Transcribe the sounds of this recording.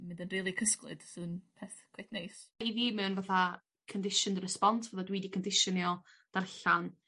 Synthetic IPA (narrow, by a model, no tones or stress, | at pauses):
mɪ̃ndənriːlˠikʰəsklˠɨ̰d̥sɨnpʰɛθkʰwejθnejsiðiːmɛwnvaθa | kʰəndɪʃəndərɛspɔntʰvəðadwiːdikʰəndɪʃəniɔ | d̥arɬan